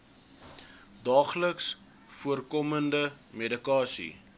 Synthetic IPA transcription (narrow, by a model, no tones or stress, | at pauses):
dɑːχləks | fuərkɔməndə | medikɑːsḭ